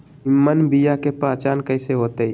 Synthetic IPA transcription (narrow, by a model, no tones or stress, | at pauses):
imːənbijakepaːt͡ʃaːnkəɪseɦoːt̪ei